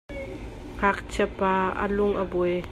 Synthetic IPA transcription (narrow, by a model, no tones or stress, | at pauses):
ŋak̚t͡sʰɛpaːə̰lʊŋʔəbɔj